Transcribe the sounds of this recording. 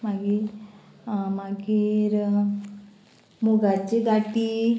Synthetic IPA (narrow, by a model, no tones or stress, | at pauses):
maɡi | maɡiɾ | muɡat͡ɕiɡaʈi